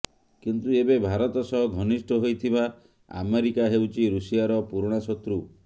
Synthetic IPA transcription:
kint̪uebebʱaɾɔt̪ɔsɔɦɔɡʱɔnisʈʰɔɦojt̪ʰiba | a̰meɾikaɦewt͡ʃʰiɾusijaɾɔpuɾɽ̃asɔt̪ɾu

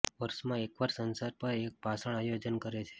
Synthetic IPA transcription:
ʋəɾʃmãekʋaɾsənsaɾpəɾek̚bʱasəɳ̃ajod͡ʒənkəɾet͡ʃʰe̥

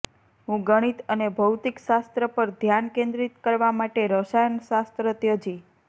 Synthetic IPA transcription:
ɦũɡəɽ̃it̪ənebʱəwt̪ikʃast̪ɾəpəɾd̪ʱjankẽnd̪ɾit̪kəɾʋamaʈeɾoʃajənʃast̪ɾət̪jod͡ʒi

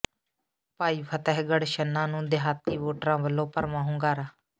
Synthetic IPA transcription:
paːiːpʰət̪ɛɦɡəɽʃənːãːnũːd̪ɪɦaːt̪ːiːʋoːʈɾãːʋəlːõːpəɾmãːɦʊ̃ːɡaːɾaː

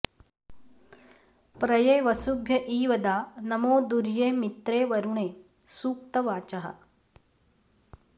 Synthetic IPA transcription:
pɾɐjeːʋɐsubʱjɐʔiːʋɐd̪aːnɐmoːd̪uɾjeːmit̪ɾeːʋɐɾuɳeː | suːk̚t̪ɐʋaːt͡ʃɐɦɐ̰

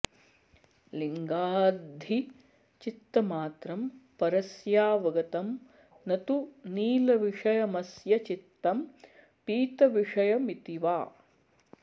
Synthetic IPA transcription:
liŋɡaːd̪ʱi | t͡ʃit̪ːɐmaːt̪ɾɐmpɐɾɐsjaːʋɐɡɐt̪ɐm | nɐt̪uniːlɐʋiʂɐjɐmɐsjɐt͡ʃit̪ːɐm | piːt̪ɐʋiʂɐjɐmit̪iʋaː

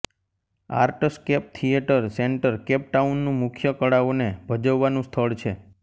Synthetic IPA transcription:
a̰ɾʈskep̚t̪ʰijeʈəɾseɳʈəɾkep̚ʈaunːũmʊkʰjəkəɽaʋonebʱəd͡ʒəʋːanũst̪ʰəɭt͡ʃʰe

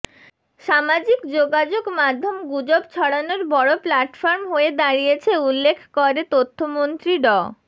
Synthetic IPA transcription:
ʃamad͡ʑikd͡ʑoɡad͡ʑoɡmad̪ʱːomɡud͡ʑob̚t͡ɕʰɔɽanoɾbɔɽoplaʈfoɾmɦoed̪aɾijet͡ɕʰeulːekʰkoɾet̪ot̪ʰːomont̪ɾiɖɔ

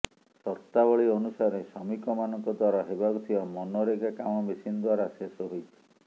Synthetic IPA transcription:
sɔɾt̪abɔɭionusaɾesɔmikɔmanɔŋkɔd̪waɾɔɦebakut̪ʰiɔmɔnɔɾeɡakamɔmisinɔd̪waɾasesɔɦojt̪ʰi̥

